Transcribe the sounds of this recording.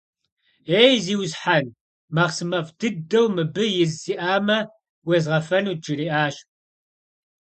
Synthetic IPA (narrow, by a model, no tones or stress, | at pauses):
eːjziːwzħan | mɐʁsɨmɐfdɨdɐwmɨbɨjɪzsiːʔaːmɐ | wezʁɐfɐnuːd͡ʒɨɾiːʔaːʃ